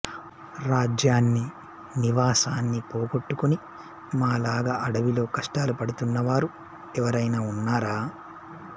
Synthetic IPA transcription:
ɾaːd͡ʒjaːnːi | niʋaːsaːnːipoːɡoʈːukuni | maːlaːɡaːʔɐɽɐʋilo̞ːkɐʂʈaːlupɐɽut̪unːɐʋaːɾu | ɛʋɐɾɐjnaːunːaːɾaː

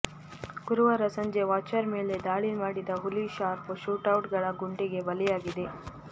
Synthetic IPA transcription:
ɡ̥uɾuʋɐɾɐsɐɲd͡ʒe̞ʋaːt͡ʃɐɾme̞ːle̞d̪aːɭimaːɽid̪ɐɦuliʃaːɾpoʃuːʈɐwʈɡɐɭɐɡuɳɖiɡe̞bɐlijaːɡid̪e̞

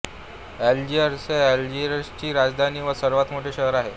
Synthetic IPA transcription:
ɛld͡ʑieɾseɛld͡ʑieɾst͡ɕiːɾad͡zd̪ʱaniːʋəsəɾʋat̪moʈʰeɕəɦəɾaɦe

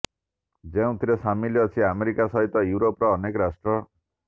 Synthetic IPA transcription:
d͡zeũt̪ʰiɾesamilijɔt͡ʃʰiameɾikasʌɦit̪ɔjuɾopɾɔːnekɔɾasʈɾɔ

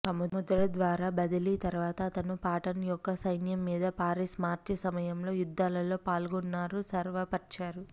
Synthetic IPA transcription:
k̪ɐmumud̪ɾɐd̪ʋaːɾaːbɐd̪ɐlit̪ɐɾuʋaːt̪ɐːt̪ɐnupaːʈɐnjɔkːɐsɐjnjɐmːiːd̪ɐpaːɾismaːɾt͡ʃɐsɐmɐjɐmlo̞ːjud̪ːaːlɐlo̞ːpaːlɡunːaːɾusɐɾʋɐpɐt͡ʃaːɾu

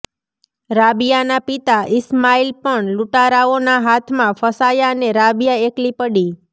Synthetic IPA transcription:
ɾabijanapit̪aʔɪsmailpəɳluʈaɾaonaɦat̪ʰmãfəsajaneɾabijaeklipəɽi

